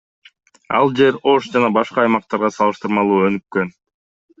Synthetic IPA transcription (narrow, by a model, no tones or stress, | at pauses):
ɑ̰lˠd͡ʒe̞ɾo̞ʃd͡ʒɑnɑbɑʃqɑːjmɑq̚t̪ɑɾʁɑsɑlˠɯʃt̪ɯɾmɑlˠuːø̞nykkø̞n